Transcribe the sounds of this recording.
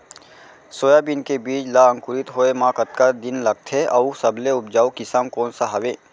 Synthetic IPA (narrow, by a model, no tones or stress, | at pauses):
soːjabɪnkebiːt͡ʃlaə̃ŋkʊɾɪt̪ɦoːemãːkət̪̚kad̪ɪnlɐɡ̚t̪ʰeʔɐusəbleʊpd͡ʒaːukɪsamkɔːnsaɦɐʋeː